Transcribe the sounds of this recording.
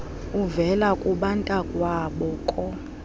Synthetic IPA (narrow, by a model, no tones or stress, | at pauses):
uvɛlakʼuɓantʼakʼwaːɓɔkʼɔ